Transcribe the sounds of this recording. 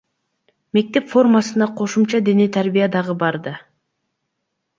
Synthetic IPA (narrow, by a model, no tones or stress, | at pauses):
me̞k̚t̪e̞pfo̞rmɑsɯnɑqʰo̞ʃumt͡ʃɑd̪e̞net̪ʰæɾbijɑd̪ɑʁɯbɑɾd̪ɑ